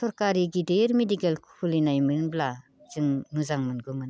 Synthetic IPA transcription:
sɔɾkaɾiɡideɾmedikelkʰulinajmɯnbla | z̥ɯŋnuzaŋmɯnɡɯmɯn

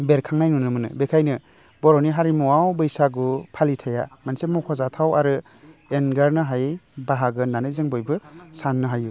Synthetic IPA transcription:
beɾkʰaŋnajnunɯmɯnɯ̰bekʰajnɯ | bɔɾɔniɦaɾimuwawbɯjsaɡupʰalitʰaja̰mansemɔkʰɔzatʰawaɾɯ | enɡaɾnɯɦajbaɦaɡɯnanɯjzeŋbɔjbɯsanːɯɦaju

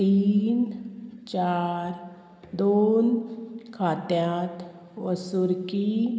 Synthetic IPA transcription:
t̪iːnt͡ʃaːɾ | d̪oːnkʰaːt̪jaːt̪ | ʋəsuɾki

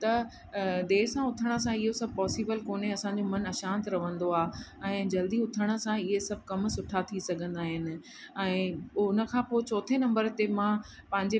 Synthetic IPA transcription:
t̪ɐ | d̪eːɦsãʊt̪ʰəɽ̃ə̆sãɪɦosɐb̚ʱpɔːsiːbəlkoːneɐsãɲd͡ʑomɐnɐʃãːnt̪ɾɐʋ̤ə̃nd̪oaːɛ̃ːd͡ʑɐld̪iʊt̪ʰəɽ̃ə̆sãɪɦesɐb̚ʱkɐmsʊʈʰat̪ʰisɐɡʱə̃nd̪aːɦɪnɪ̆ | ɛ̃ːʊnə̆kʰãːpot͡ɕɔːt̪ʰenɐ̃mbəɾt̪emã | pɐ̃ɦɪ̃ɲd͡ʑe

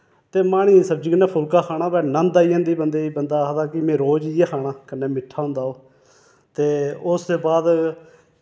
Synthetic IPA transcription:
t̪eːmaːɽiːsəb̚d͡ʒikənãːpʰʊlkaːkʰaːɽaːbɛːnə̃nd̪aːiːãːnd̪iːbənd̪eːiːbənd̪aːɦd̪aːkɪmɛ̃ːɾoːd͡ʒieːkʰaːɽaːkənːẽːmɪʈʰːaːɦʊ̃nd̪aːoː | t̪eːʊst̪eːbaːd̪

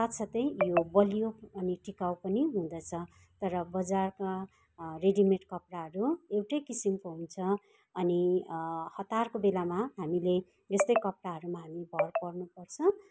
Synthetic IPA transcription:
sat̪sʰʌt̪ʌjjobʌlijoʌniʈikaw̃pʌniɦũd̪ʌt͡sʰʌ | t̪ʌɾʌbʌd͡zarka | reɖimeʈkʌpraɦʌɾuewʈʌjkisimkoɦunt͡sʰʌ | ʌni | hʌt̪arkobelamaɦamile | ʌst̪ʌjkʌpraɦʌɾumaɦamibʱʌrpʌrnupʌrt͡sʰʌ̃

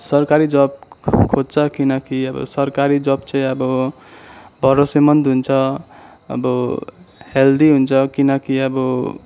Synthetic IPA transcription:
sʌɾkaɾid͡ʒʌb̚kʰod͡zt͡sʰʌkinʌkiʌbʌ̰sʌɾkaɾid͡ʒʌbt͡ʃʌ̃ĩʌbʌ | bʱʌɾosemʌnd̪ɦunt͡sʰʌ | ʌ̰bʌ | held̪iɦunt͡sʰʌkinʌkiʌbʌ

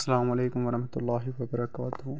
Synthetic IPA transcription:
sːalaːmʊʕaleːkʊmwɑɾˤɑħmat̪ʊlˤːɑːɦɪwɐbɑɾˤɑkaːt̪ʊh

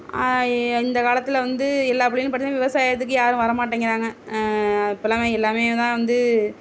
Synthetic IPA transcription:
ɪnd̪ɐkaːlɐt̪ːɪlʋɐnd̪ɯɛlːaːpːɐɽɪjl̃pɐʈːt͡ʃnãːʋɪʋɐsaːjɐt̪̬ːɯkːɯjaːɾɯ̃ʋɐɾɐmaːʈ̬ːeːŋɡɪɾaːŋɡɐ | ɪpːɐlːaːmeɛlːaːmeːt̪ãːʋɐnd̪ɯ

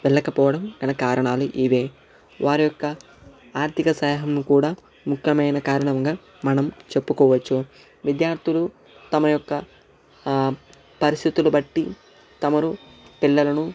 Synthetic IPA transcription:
ʋɛɭːɐkɐpɔːʋɐɽɐmɡɐnɐkaːɾɐɳaːluʔiʋeː | ʋaːɾijɔkːɐ | aːɾt̪ʰikɐsɐːɦɐmnukuːɽaː | mukʰjɐmɐjnɐkaːɾɐɳɐŋɡaː | mɐnɐmt͡ʃe̞pːukɔːʋɐt͡ʃːu | ʋid̪jaːɾt̪ʰilu | t̪ɐmɐjɔkːɐ | pɐɾist̪ʰit̪ulubɐʈːi | t̪ɐmɐɾupiɭːɐlɐnu

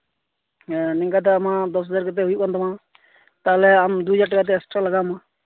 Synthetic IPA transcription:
nɪ̃ŋkaːt̪̬aəmãːd̪ɔsɦzaːɾkət̪̬eːɦʊikant̪əmãː | t̪aːlɛːaːmd̪ud͡ʒaʈkat̪̬esʈɾaːləɡaːmãː

